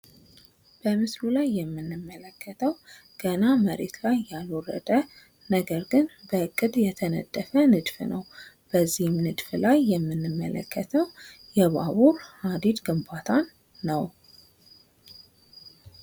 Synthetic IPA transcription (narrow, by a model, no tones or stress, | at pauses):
b̥əmɨslulajːɛmːɨnːɨmːələkʰːət̪ʰəw | ɡ̥ənaməɾḛt̪lajːalorə̰d̪ə | nəɡəɾɡɨnbəɨkʼːɨd̪jɛt̪ʰənə̰d̪ʼːəfənɨd̪fnəw | b̥əzːihɪmnɨd̪flajːɛmːɨnːɨmːə̰lə̰kːət̪ʰəwjɛβaβuɾhad̪id̪ɡɨmbat̪ʰanː | əw